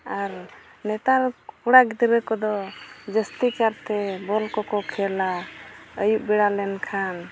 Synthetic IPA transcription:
aɾ | nɛt̪aɾkuɽaɡd̪iɾɛkɔd̪ɔd͡ʒəst̪ikaɾt̪ɛbɔlkɔkɔkʰɛlaəjuʔ̚biɽalɛnkʰan

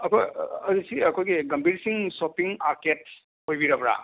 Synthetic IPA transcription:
ɐkojɐzisiɐkojɡiɡɐmbʱiɾsiŋsopiŋaɾket̚ | hojbiɾɐbɾa̰

